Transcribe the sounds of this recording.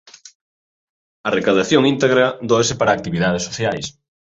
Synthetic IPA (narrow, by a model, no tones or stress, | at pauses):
ɐrekaðaθjoŋint̪eɣɾaðoes̬ɪpaɾaːk̚t̪iβiðaðesːo̥θjajs